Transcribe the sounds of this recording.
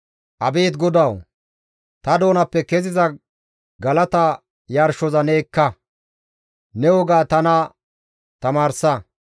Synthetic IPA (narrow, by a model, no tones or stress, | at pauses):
ʔɐbeːt̪ɡɔd̪ɐw | t̪ɐd̪o̞ːnɐpːɛkɛzɪzɐ | ɡɐlɐt̪ɐ | jɐɾʃɔzɐneːkːɐ | nɛwɔɡaːt̪ɐnɐ | t̪ɐmaːɾsɐ